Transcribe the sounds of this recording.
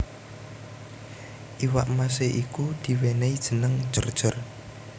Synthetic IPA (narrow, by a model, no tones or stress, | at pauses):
ʔiwa̰ʔmas̬eʔikud̪̥i̤weneid̥ʒ̥ə̤nəŋd̥ʒ̥ərd̥ʒ̥ər